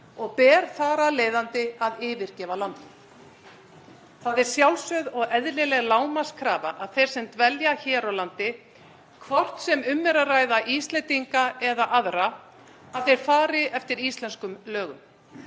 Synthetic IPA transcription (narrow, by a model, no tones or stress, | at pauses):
ɔɣpɛːɾ̥θaːɾaleːjðant̪ɪaðɪːvɪɾ̥cɛːvalant̪ɪ | θaðɛɾ̥sjawlsœðɔɣɛðlɪlɛɣlaːwmaskʰɾaːva̰ʔaðθejɾ̥sɛmt̪vɛljaçɛːɾawlant̪ɪ | kʰvɔr̥t̪sɛmʏmːɛɾaraːjðaʔist̪lɛnt̪iŋkaɛðaʔaðɾa | aθejɾ̥faːɾɪɛft̪ɪɾist̪lɛnskʏmlœːɣʏ̰m